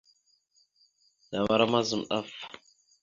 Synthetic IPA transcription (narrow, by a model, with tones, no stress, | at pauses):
da˨βa˦ɾa˦ma˦zə˨mɗa˦f